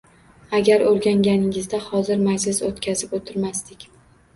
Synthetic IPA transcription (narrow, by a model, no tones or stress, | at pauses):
aɡʲaɾoɾɡʲaŋɡʲanɪŋɪzd̪ahɒzɪɾmad͡ʒlɪsot̪kʲʰazɪpot̪ʰɪɾmast̪ɪkʲ